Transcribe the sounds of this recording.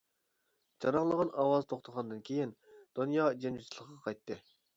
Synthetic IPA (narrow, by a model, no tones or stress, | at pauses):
d͡ʒɑɾɑŋlˠəʁɑnɑwɑzt̪ʰoχt̪ʰəʁɑnd̪ɨnkʲʰejind̪̥onjɑːd͡ʒenyt͡ʃ̪ʰilˠəqːɑqʰɑjt̪ʰːɨ